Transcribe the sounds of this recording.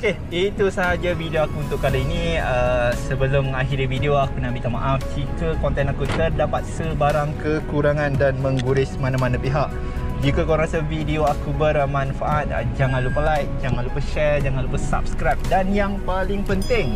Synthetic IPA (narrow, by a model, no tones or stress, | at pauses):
oke | it̪usaɦad͡ʒavideoakuːnt̪ʊʔkːaliinĩəsəbəlʊmaɦiɾivideoakunabit̪ama̰ʔafd͡ʒikəkɔnt̪ɛnakut̪ərdapat̪̚səbaɾaŋkəkuɾaŋãndanmə̃ŋɡuɾɪsmanãmanãpiɦaʔ̚ | d͡ʒikakalãɾasavideoakubərmãnfaʔat̪̚ə̰d͡ʒaŋanlupərlajt̪̚d͡ʒaŋãnlupəʃɛrd͡ʒaŋãnlupəsa̰p̚skɾajp̚danjaŋpalɪŋpənt̪ɪŋ